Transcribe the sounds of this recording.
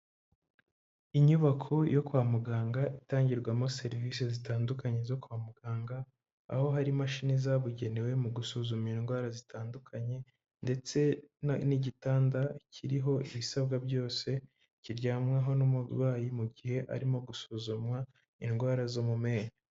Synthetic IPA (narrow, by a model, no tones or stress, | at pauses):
iɲuβakʰo̞jʔo̞kwaːmuɡaːŋɡaʔitaːɲɟiɾɡwamose̞ɾviːsezitaːndukaɲe̞zo̞kuamuɡ̥aːŋɡa̰ː | ho̞ɦaɾimaʃiːnizaβuɟe̞newe̞muɡusuːzuminɡwaːɾazitʰaːndukʰaɲe̞ | nde̞t͡se̞niɟitaːndacʰiɾiɦo̞iβisabɡabɟo̞ːse̞ | ciɾɟaːmŋaɦo̞nomṵβaːjimuɟihe̞ʔa̰ɾimo̞ɡusuzumwa | ḭnɡwaːɾazo̞mume̞ːɲa